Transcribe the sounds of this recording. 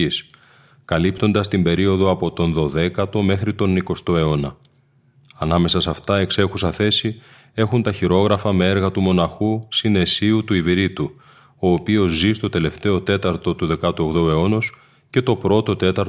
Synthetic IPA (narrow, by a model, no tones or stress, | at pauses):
is | kɐlipt̪o̞nd̪ɐst̪imbe̞ɾio̞ðo̞ɐpo̞t̪o̞nðo̞ðe̞kɐt̪o̞me̞xɾit̪o̞niko̞st̪o̞e̞o̞nɐ | ɐnɐme̞sɐsɐft̪ɐe̞kse̞xusɐθe̞si | e̞xunt̪ɐçiɾo̞ɣɾɐfɐmee̞ɾɣɐt̪umo̞nɐxusine̞siut̪uiviɾit̪u | o̞ːpio̞zzist̪o̞t̪e̞le̞ft̪e̞o̞t̪e̞t̪ɐɾt̪o̞t̪uðe̞kɐt̪uoɣðoe̞o̞nos | ce̞t̪o̞pɾo̞t̪o̞t̪e̞t̪ɐɾ